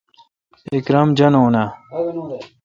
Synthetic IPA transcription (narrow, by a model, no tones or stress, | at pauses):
ikɾɐmd͡ʑɐnoːna